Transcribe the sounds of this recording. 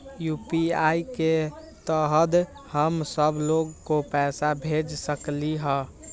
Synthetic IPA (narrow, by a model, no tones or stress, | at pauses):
jupiaike | t̪əɦəd̪ | həmsəbloɡkopɛːsabʱed͡ʒsəkliɦə̃